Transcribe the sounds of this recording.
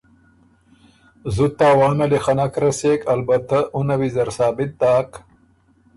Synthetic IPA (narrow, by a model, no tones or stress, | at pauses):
zut̪ːaːwaːnɐlexɐnakɾɐseːkɐlbɐt̪aʔunɐwizɐɾsaːbɪt̪̚d̪aːk